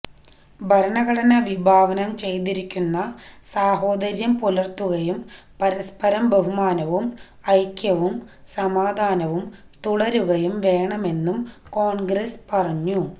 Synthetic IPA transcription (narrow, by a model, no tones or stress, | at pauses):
bʱɐɾɐɳɐɣɐɽɐnɐʋibʱaːʋɐnɐmt͡ɕe̞jt̪iɾikʲːunːɐsaːɦo̞ːd̪ɐɾjɐmpulɐrt̪ːuɣɐjum | pɐɾɐspɐɾɐmbɐɦumaːnɐʋum | ɐjkʲːjɐʋumsɐmaːd̪ʱaːnɐʋumt̪uɽɐɾuɣɐjumʋe̞ːɳɐme̞nːumko̞ːɳɡɾespɐrɐɲːu